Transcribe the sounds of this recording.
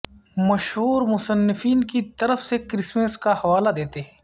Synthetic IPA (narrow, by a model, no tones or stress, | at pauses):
mɐʃɦuːɾmʊsənːɪfiːnkit̪ɐɾəfsekɾɪsməskahɐʋaːlad̪eːt̪eɦɛ̃ː